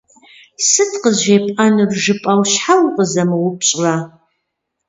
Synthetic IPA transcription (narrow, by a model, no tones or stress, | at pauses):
sɨtʰqəzʑeːpʼɐnɨrʒɨpʼɐwɕħawqʼəzɐmɨwʊpɕʼra